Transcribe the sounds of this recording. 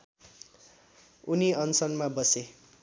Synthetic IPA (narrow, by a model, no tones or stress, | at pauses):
uniʌnsʌnmabʌse